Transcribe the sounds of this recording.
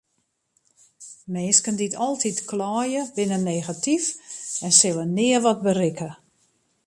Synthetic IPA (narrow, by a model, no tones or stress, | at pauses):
meːskənditʰɔlˠtʰitklɔːjəbɪnəneːɣatifɛnsɪlˠənɪərʋɔt̚bərɪkə